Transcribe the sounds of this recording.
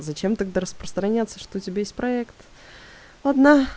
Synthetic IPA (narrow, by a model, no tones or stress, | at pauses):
zɐt͡ɕemt̪aɡ̚d̪aɾəspɾəst̪ɾɐnʲat̪sːəʂt̪oʊtʲɪbʲajesʲtʲpɾɐɛkt̪ | ɐd̪na